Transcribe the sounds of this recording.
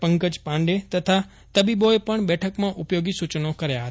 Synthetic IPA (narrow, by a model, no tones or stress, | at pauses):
pə̃ŋkəd͡ʒpãɳɖet̪ət̪ʰa | t̪əbiboepəɳbɛʈʰəkmãʔʊpjoɡisut͡ʃnokəɾjaɦət̪